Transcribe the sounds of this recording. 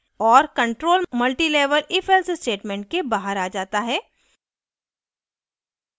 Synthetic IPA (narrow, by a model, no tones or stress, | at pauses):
ɔːɾkɐ̃ɳʈɾoːlmɐlʈileːʋəlʔɪfɛlssʈeːʈmẽːɳʈ̚kebaːɦəɾaːd͡ʒaːt̪aɦɛː